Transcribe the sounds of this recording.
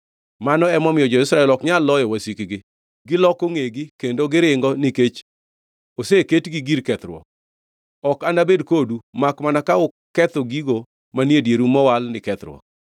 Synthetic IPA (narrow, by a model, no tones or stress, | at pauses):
manɔɛmɔmɪjɔd͡ʒɔɪsɾaɛlɔkɲalːɔjɔwasikɡɪ | ɡɪlɔkoŋeɡikendoɡɪɾɪŋɡɔniket͡ʃ | oseketɡiɡiɾkɛt̪ɾwɔ̰ | ɔkanabedkodumakmanakaʊ | kɛt̪oɡiɡo | manjedjeɾumɔwalnɪkɛt̪ɾwɔ̰